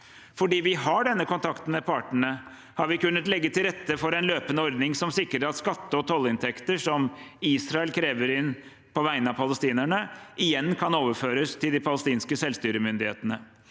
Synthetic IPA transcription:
fɔɖiːʋɪɦɑɖɛnːəkʰɔnt̪ʰɑkt̪ən̩mɛpʰɑːʈɳə | hɑɾʋɪkʉnːət̪lɛɡːət̪ʰɪlɾɛt̪ːəfɔɾɛnløːpənəɔɾd̪nɪŋsɔmsɪkɾəɾɑt̪skɑt̪ːəɔt̪ʰɔlːɪnt̪ʰɛkt̪əʂɔmiːsɾɑɛlkʰɾeːʋəɾɪnː | pʰɔʋæɪənɑpʰɑləst̪iːnæɳəʔɪjɛnːkʰɑnoːʋəɾføːɾəst̪ʰɪld̪ɪpʰɑləst̪iːnskəsɛlst̪yːɾəmʏnd̪ɪhḛːt̪ənə

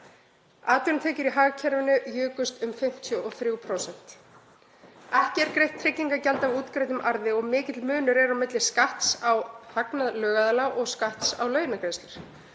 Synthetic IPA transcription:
aːt̪ʏnt̪ʰɛːcɪɾiɦaːɣcʰɛɾvɪnʏjʏːkʏst̪ʏmfɪm̥t̪ʰjɔʔɔθɾʏuːwpʰɾowsɛn̥t̪ | ɛhcɪɛɾkɾejht̪ʰːɾɪcːiŋkacɛlt̪avuːt̪kɾajt̪ʏmʔaɾðɪɔɣmɪːcɪt̪lmʏːnʏɾɛɾawmɪt̪lɪskaht̪sawhaknaðlœːɣaðalawʔɔɣskaht̪sa̰wlœɥnakɾenslɪɾ̥

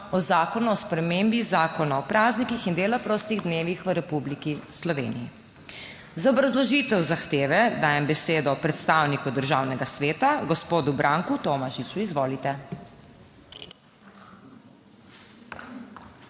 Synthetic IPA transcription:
ɔzaːkɔnuɔspɾɛmeːmbizaːkɔnaɔpɾaːznikixind̪eːlapɾost̪iɣd̪neːʋixʋəɾɛpublikislɔʋḛːnḭji | zaɔbɾazlɔʒit̪ɛwzaxt̪eːʋɛd̪aːjɛmbɛseːd̪ɔpɾɛt̪st̪aːwnikud̪əɾʒaːwnɛɡasʋeːt̪aɡɔspoːd̪ubɾʔaːŋkut̪oːmaʃit͡ʃuizʋoːlit̪ɛ

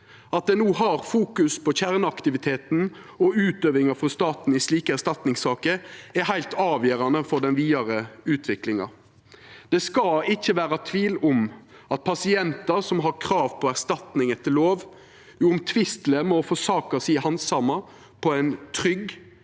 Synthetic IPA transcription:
ɑt̪̚d̪ɛnuːɦɑɾfuːkʉspʰɔçæʁnəɑkt̪ɪʋɪt̪ʰeːt̪n̩ | ɔʉːt̪øːʋɪŋɑfʁɔst̪ɑːt̪n̩ɪsliːkəæʁst̪ɑt̪nɪŋsɑːkəɾæhæɪlt̪ʰɑːʋjøːɾɑnəfɔɖ̪ɛnʋiːɑɾəʉːt̪ʰʋɪklɪŋɑ̰ | d̪̥ɛskɑɪçːəʋæːɾɑt̪ʰʋiːlʊm | ɑt̪̚pʰɑsɪɛnt̪ɑsɔmɦɑɾkʰɾɑːʋpʰɔæʁst̪ɑt̪nɪŋət̪ʰɪloːʋ | juːʊmt̪ʰʋɪst̪ləmɔfɔsɑːkɑsiːhɑnsɑmɑ | pʰɔɛɪnt̪ʰʁʏɡ

